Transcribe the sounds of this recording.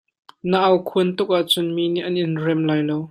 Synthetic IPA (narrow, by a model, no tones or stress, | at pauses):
nəʔɐwkʰuənt̪ʊk̚ʔaʔt͡sʊnminiʔɐnʔɪnrɛmlaːjlow